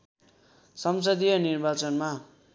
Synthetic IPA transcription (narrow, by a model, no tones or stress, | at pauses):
sʌms̬ʌd̪ijʌnirbat͡sʌnma